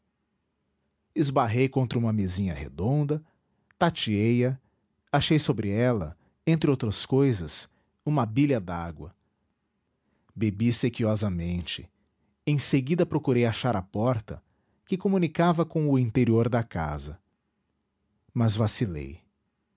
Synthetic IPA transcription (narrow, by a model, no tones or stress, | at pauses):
ɪzbaɦejkõnt̪ɾɐũmɐmezĩɲɐhḛd̪õnd̪ɐ | t̪at͡ʃiejɐ | aʃejsobɾɪɛlɐ̰ | ẽnt̪ɾɪowt̪ɾɐskojzɐs | ũmɐbilɐd̪aɡwɐ | bebisekiɔzɐmẽnt͡ʃɪ̥̰ | ẽj̃seɡid̪ɐpɾokuɾejaʃaɾɐpɔɾt̪ɐ̰ | kɪkomũnikavɐkõʊĩnt̪eɾioɾd̪ɐka̰zɐ̰ | mɐzvasilḛj